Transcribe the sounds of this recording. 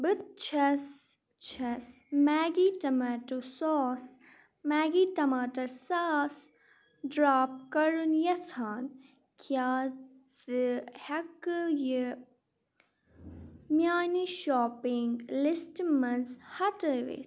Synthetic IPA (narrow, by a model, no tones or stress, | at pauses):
bɨt̪̚t͡ʃʰɐs | t͡ʃʰɐs | mɛːɡiʈɐmɛːʈoːsɔːs | mɛːɡiːʈɐmaːʈɐɾsaːs | ɖɾaːp̚kɐɾunjɐt̪ʰaːn | kʰjaː | zɨhɐkjə | mjaːniʃɔːpɪŋɡlɪsʈmɐnzhɐʈəʋḛ